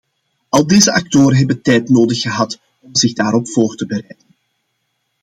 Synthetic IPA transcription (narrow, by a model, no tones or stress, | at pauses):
ɑlˠdeːzəʔɑk̚toːɾənɦɛbəntɛjtnoːdəxːəɦɑt | ɔmzɪɣdaːɾɔpfoːrtəbəɾɛjdən